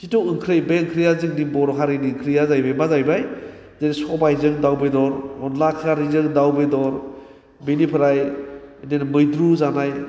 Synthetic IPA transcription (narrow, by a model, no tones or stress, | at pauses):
sitɔwɯŋkʰɾɯjbeŋkʰɾijazɯk̚nibɔɾɔkʰaɾijniŋkʰɾijazajbajbazajbaj | zadisɔbajzɯŋdawbedɔɾɔnlakʰaɾizɯŋdawbedɔɾ | benipʰɯɾajdenmɯjdɾuzanaj